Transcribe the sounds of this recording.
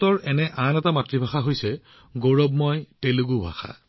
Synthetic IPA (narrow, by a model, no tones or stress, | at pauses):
tɔɹɛnɛʔanɛtamatɹibʱaxaɦojsɛ | ɡoɹɔbmɔjteluɡubʱa̰xʰa̰